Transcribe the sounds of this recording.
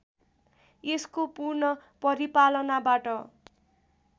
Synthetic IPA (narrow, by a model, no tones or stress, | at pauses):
eskopurnʌpʌɾipalʌnabaʈʌ